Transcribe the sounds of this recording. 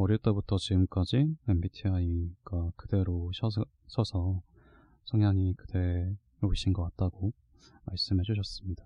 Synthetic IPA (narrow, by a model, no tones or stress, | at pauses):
ʌɾjiɭt͈e̞butʰʌt͡ɕiɡɯmk͈ad͡ʑie̞mbitʰiaiɡ̥akɯde̞ɾoɕʰʌ | ɕʰʌsʰʌ | sʰʌŋjaŋikɯde̞ | ɾoɕʰinɡʌk͈at̚t͈aɡo | maɭs͈ɯmɦe̞d͡ʑuɕ̬ʰʌs͈ɯmɲid̥a